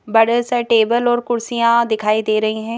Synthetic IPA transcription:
bɐɽəsəʈeːbəlɔːɾkʊɽsijãd̪ɪkʰaːid̪eːɾɐɦiɦɛ̃ː

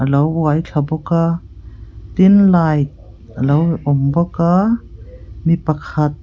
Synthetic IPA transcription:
ʔəlowwajkʰabɔka | t̪inlajt̪̚ | əlowʔɔmbɔka | mipakʰat̪̚

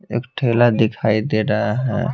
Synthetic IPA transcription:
ḛkʈʰelad̪ekʰajd̪eɾaɦaɦɛ̰

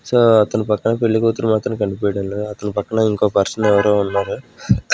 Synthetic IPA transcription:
soːɐt̪ːɐnɐpɐkːɐɳɐpeɭːikoːt̪ːɯɾɐmaːt̪ɾɐ̃mkɐɳɖɯpɐːjɽlɐɐt̪ɐnɐpɐkːɐɳaiŋɡoːpɐɾsɐnɛʋɐɾoːʊnːaːɾɯ

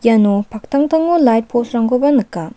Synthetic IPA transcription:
janopʰak̚t̪ʰaŋt̪ʰaŋːolajt̚pʰosɾaŋɡobanɯkːa

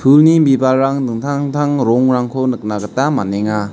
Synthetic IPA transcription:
pʰulnimbibalɾaŋdɯŋtʰaŋtʰaŋɾɔŋɾaŋkʰonɯk̚naɡətamaneŋa

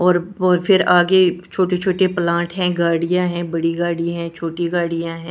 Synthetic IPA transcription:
ɔːɾfʰɪɾaːɡet͡ʃʰoːʈet͡ʃʰoːʈeplãːʈɦɛ̃ɡaːɽijãɦɛ̃bɐɽiɡaːɽiɦɛ̃ːt͡ʃʰoːʈiɡaːɽijãɦɛ̃ː

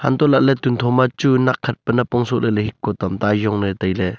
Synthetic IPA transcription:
ha̰nt̪ɔʔlaʔ̚lɛt̪unt̪ʰɔmat͡ʃunakʰːɐt̪̚pənapɔŋsɔʔlɛlehikːɔt̪amt̪ajɔŋnət̪ajlɛ

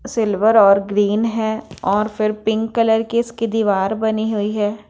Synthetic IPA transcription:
sɪlʋəɾɔːɾɡɾiːnɦɛːɔːɾfɪɾpɪ̃ŋkːələɾkiskid̪iːʋaːɾbɐniɦʊiɦɛː

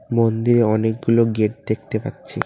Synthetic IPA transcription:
mond̪iɾeɔnek̚ɡuloɡeʈ̚d̪ek̚ʰt̪epa̰tːɕʰi

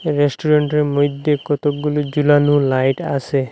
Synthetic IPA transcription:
ɾesʈʰuɾeɳʈemojd̪ʱːekot̪ok̚ɡulod͡ʒulanulajʈasʰe

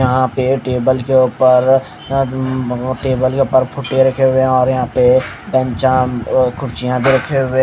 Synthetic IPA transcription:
jɐɦãpeʈeːbəlkeoːpəɾ | ʈeːbəlkeʊpəɾpʰʊʈeɾɐkʰeɦʊeɔːɾjɐɦãpe | bɛ̃nt͡ʃãkʰʊɾt͡ʃijãbʱiɾɐkʰeɦʊẽ

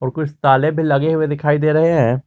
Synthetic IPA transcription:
ɔːɾkʊt͡ʃʰt̪aːlẽbʱilɐɡeɦʊed̪ɪkʰaːid̪eːɾɐɦeɦɛ̃ː

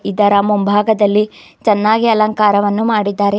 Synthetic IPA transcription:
id̪ɐɾamumbʱaːɡɐd̪ɐlːi | t͡ʃɐnːaːɡiɐlɐŋkaːɾɐʋɐnːumaːɽid̪ːaːɾe

